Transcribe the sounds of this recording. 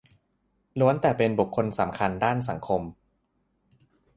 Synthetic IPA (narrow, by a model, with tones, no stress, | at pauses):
lu˦˥ənt̪ɛː˨˩pe˧nbu˨˩kʰːo˧nsa˩˦mkʰa˧ndaː˥˩ns̬a˩˦ŋkʰo˧m